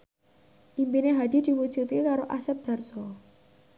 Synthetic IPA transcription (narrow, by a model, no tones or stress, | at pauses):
ʔimpineɦad̪̥id̪̥i̤wud̥ʒ̥ut̪kikaɾoʔasɛp̚d̪̥a̤rsɔ